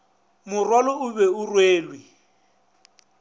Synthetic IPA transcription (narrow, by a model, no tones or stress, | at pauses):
mʊrwalɔʊbɛʊrweːlwi